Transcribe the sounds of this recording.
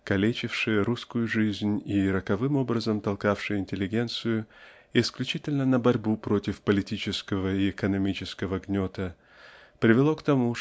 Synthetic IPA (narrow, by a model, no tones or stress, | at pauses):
kɐlʲet͡ɕɪfʂɨjəɾuskʊjʊʐɨzʲnʲiɾəkɐvɨmo̞bɾəzəmt̪ɐlˠkafʂɨjɪnʲtʲɪlʲːɪɡʲe̞nt̪sɨjʊ | ɪsklʲʉt͡ɕitʲɪlʲnənəbɐɾʲbupɾo̞tʲɪfpəlʲɪtʲit͡ɕɪskəvəɪɪkənɐmʲit͡ɕɪskəvəɡnʲo̞t̪ə | pɾʲɪvʲɪlˠo̞kt̪ɐmu